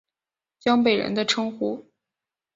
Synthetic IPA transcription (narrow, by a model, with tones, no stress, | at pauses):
t͡ɕjɑ˥ŋpe˨˩ɪɻə̰˧˥nd̪ə˧ʈ͡ʂʰɤ˥ŋxu˧˥